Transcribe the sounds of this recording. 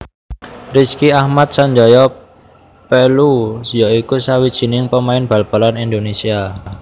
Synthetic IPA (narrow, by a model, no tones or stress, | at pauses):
riskiahmat̪̚saɲd͡ʒɔjɔ | pelujɔikusawid̥ʒ̥i̤nɪŋpəmaɪnb̥a̤lb̥alanind̪onesia